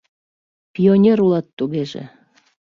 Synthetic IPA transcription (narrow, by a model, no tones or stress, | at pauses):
pʲionʲeɾulɑt̪ːuɣeʒḛ